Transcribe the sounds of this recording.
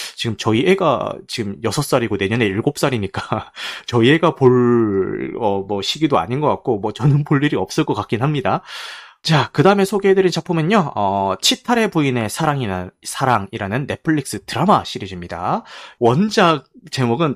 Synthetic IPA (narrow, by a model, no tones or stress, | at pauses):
t͡ɕiɡɯmt͡ɕʌiʔeɡa̰t͡ɕiɡɯmjʌsʰʌs͈aɾiɡone̞ɲʌne̞iɭɡop̚s͈aɾiɲik͈at͡ɕʌie̞ɡapoɭ | ʌmwʌɕʰiɡidoa̰ɲinɡʌk͈ak̚k͈omwʌt͡ɕʌnɯnpoʎːiɾiʌp̚s͈ɯk͈ʌkak͈inɦamɲidat͡ɕakɯdaɯmesʰoɡedɯɾint͡ɕapʰumjʌɲjoʌt͡ɕʰitʰaɾe̞buine̞sʰaɾaŋiasʰaɾaŋiɾanɯnːe̞pʰɯɭːik̚s͈ɯtɯɾamaɕʰiɾid͡ʑimɲida̰wʌnd͡ʑaɡ̚t͡ɕe̞moɡɯn